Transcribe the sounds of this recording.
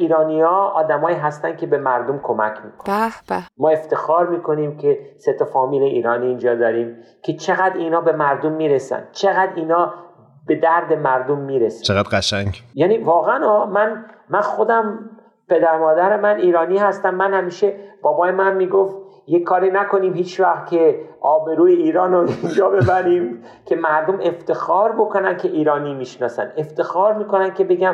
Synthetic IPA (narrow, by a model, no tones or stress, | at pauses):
iːɾɒːniːɒːɒːd̪æmɒːiːɦæst̪æn̥kʲʰe̞be̞mæɾd̪omkʰo̞mæ̰kʰmiːkʰoæmɒːe̞ft̪e̞xɒːɾmiːkʰo̞niːmcʰe̞set̪ʰofɒːmiːleʔiːɾɒːniːnd͡ʒɒːd̪ɒːɾiːm | cʰe̞t͡ʃʰe̞ɣæd̪ɾiːnɒːbe̞mæɾd̪omːiːɾesæ̰nd̪̥̚t͡ʃʰe̞ɣæd̪iːnɒː | be̞d̪æɾd̪e̞mæɾd̪omːiːɾesæ̥t͡ʃeɣæd̪ɢæʃæŋjæniːvɒːɣæænɒːmænmænxo̞d̪æm | pʰe̞d̪æɾmɒːd̪æɾe̞mæniːɾɒːniːhæst̪æmːænhæmiːʃe̞b̥ɒːbɒːjemænmːiːɡoft̪ | jekʰːɒːɾiːnækʰo̞niːmhiːt͡ʃʰvæxt̪kʰe̞ʔɒːbe̞ɾuːjeiːɾɒːnoind͡ʒɒːbe̞bæɾiːm | cʰe̞mæɾd̪ome̞ft̪e̞xɒːɾbo̞ko̞næn̚cʰe̞ʔiːɾɒːniːmiːʃnɒːsæ̰ne̞ft̪e̞xɒːɾmiːko̞næn̚cʰe̞be̞ɡæm